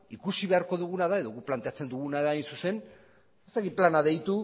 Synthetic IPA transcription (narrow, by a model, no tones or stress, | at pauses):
ikusiβe̞aɾko̞ðuɣ̞unaðae̞ðo̞ɣuplant̪eat͡se̞nd̪uɣunaðaːjnsuse̞n | e̞st̪akit̪̚planaðe̞jt̪u